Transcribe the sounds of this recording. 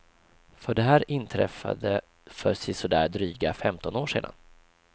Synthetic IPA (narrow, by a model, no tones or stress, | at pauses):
fœɖɛɦæːɾɪnt̪ʰɾɛ̰fa̰d̪ə | fœsɪsɔd̪æːd̪ɾyːɡafɛmt̪ɔnoːʂḛːd̪a̰n